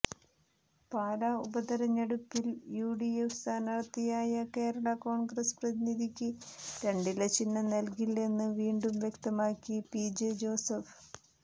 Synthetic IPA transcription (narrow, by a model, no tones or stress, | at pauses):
paːɾaubɐd̪ɐɾɐɲːeɽupːiljuːɽiefsaːnɐɽɐt̪ːijaːjɐke̞ːɾɐɭɐko̞ːɳɡrɐsprɐðiniðikʲːɨɾe̞ɳɖilɐt͡ɕinːɐnɐlkile̞nːɨʋiːɳɖumʋjekt̪ɐmaːkːipid͡ʑed͡ʑo̞ːsɐf